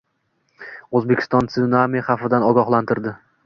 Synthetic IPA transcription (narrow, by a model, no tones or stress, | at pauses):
ozbe̞kʲʰɪ̥st̪ɒnt̪sɪnamiχɑfɪd̪anɒɡɒχlant̪ʰɪɾd̪ɪ